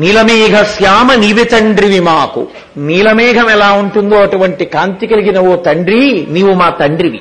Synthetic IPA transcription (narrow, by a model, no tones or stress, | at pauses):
niːlɐmeːɡʱɐsjaːmɐniʋit̪ɐɳɖɾiʋimaːkṵ | niːlɐmɛːɡʱɐmɛlaːuɳʈund̪oːɐʈuʋɐɳʈikaːnt̪ikɐliɡinɐʋoːt̪ɐɳɖɾiniːʋumaːt̪ɐɳɖɾiʋḭ